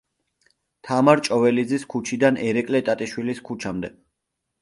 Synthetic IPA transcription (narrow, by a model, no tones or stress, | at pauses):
t̪ʰamaɾt͡ʃʼɔvɛlid̪ziskʰut͡ʃʰid̪anɛɾɛkʼlɛt̪ʼat̪ʼiʃwiliskʰut͡ʃʰamd̪ɛ